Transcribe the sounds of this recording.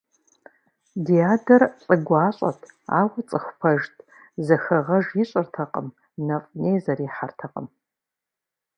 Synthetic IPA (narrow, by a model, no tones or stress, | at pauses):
dijaːdɐrt͡sʼɨɡʷaːɕʼa̰tʰa̰ːwɐt͡sʼɨxʷpʰɐʒtʰʼ | zɐxɐʁɐʒjɪɕʷʼɨrtʰɐqʼə̰m | nɐfʼnejzɐɾiːħartʰɐqʼə̰m